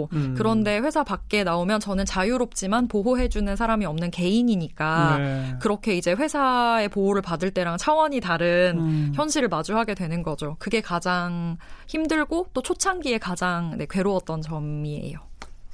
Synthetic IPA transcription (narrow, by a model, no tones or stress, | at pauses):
kɯɾʌnde̞ɸwe̞sʰapak̚k͈e̞naomjʌnt͡ɕʌnɯnt͡ɕajuɾop̚t͡ɕ͈imanpoɦoɦe̞d͡ʑunɯnsʰaɾamiʌmnɯnke̞iɲiɲik͈akɯɾʌkʰe̞id͡ʑe̞ɸwe̞sʰae̞poɦoɾɯɭpadɯɭt͈e̞ɾaŋt͡ɕʰawʌɲitaɾɯnçjʌnɕʰiɾɯɭmad͡ʑuɦaɡe̞dwe̞nɯnɡʌd͡ʑokɯɡe̞kad͡ʑaŋçimdɯɭɡot͈ot͡ɕʰot͡ɕʰaŋɡie̞kad͡ʑaŋne̞kwe̞ɾoʌt͈̚ʌnt͡ɕʌmmie̞̰jo